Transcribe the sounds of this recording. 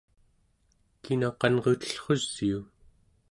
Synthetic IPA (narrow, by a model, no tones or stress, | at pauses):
kinɑqɑnʁot̪ə̥ɬχoz̥ːiu